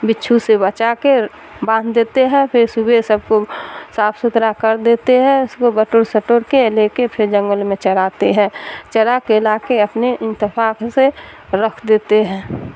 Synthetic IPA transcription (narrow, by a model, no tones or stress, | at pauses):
bɪtːt͡ʃʰusebət͡ʃake | bãːnd̪ʱd̪eːt̪eɦɛ̃pʰɪɾsubʱesəb̚kosaːpʰsʊt̪ɾakəɾd̪eːt̪eɦɛ̃ʊskobəʈoːɾsəʈoːɾkeleːkepʰɪɾd͡ʒə̃ŋɡəlmẽt͡ʃəɾaːt̪eɦɛ̃ːt͡ʃəɾakelaːkeəpneʔɪ̃nt̪ɪfaːkse | ɾəkʰd̪eːt̪eɦɛ̃ː